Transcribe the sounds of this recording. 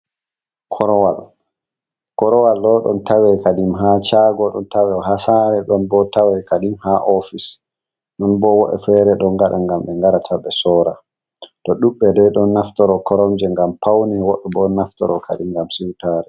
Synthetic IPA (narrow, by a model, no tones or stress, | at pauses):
kʰɔɾɔwal | kɔɾɔwalːɔɗɔ̰ntawɛkadimɦat͡ʃaɡɔɗɔ̰ntawɛɦasaɾɛɗɔnbɔtawɛkadimhaʔɔfis | ɗɔnbɔwɔɗɛ̰fɛɾɛɗɔnɡaɗa̰ŋɡamɓɛŋɡaɾatʰabɛsɔːɾa | tɔɗuɓːɛdɛɗɔnːaftɔɾɔkʰɔɾɔmd͡ʒɛŋɡampʰawnɛwɔɗɛbɔnaftɔɾɔkʰa̰ɗimɡamsiwtaːɾɛ